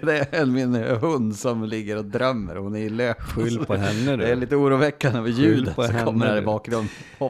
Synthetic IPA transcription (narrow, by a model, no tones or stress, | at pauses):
d̪ɛɛnmɪnɦɵnd̪sɔmlɪɡːəɾɔd̪ɾœmːə̰ɾhʊnæɾɪløːkɔɛnːədd̪ɛæɭiːt̪əuːɾuːvɛkːanəvəjʉ̟ːd̪ənsɔkʰɔmːəɾhæɾbɑːkɾənhɔ